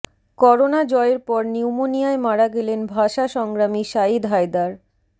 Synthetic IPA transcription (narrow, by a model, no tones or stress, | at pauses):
kɔɾonad͡ʑɔeɾpɔɾniwmonijaemaɾaɡelenbʱaʃaʃɔŋɡɾamiʃaid̪ɦaed̪aɾ